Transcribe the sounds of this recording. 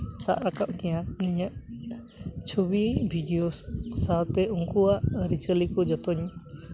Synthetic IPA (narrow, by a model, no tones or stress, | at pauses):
sa̰ʔɾakaʔkɛjãniɲaʔ | t͡ʃʰobibʱiɖijosat̪ɛʔuŋkuaʔɾit͡ʃəlikɔd͡ʒɔt̪ɔɲ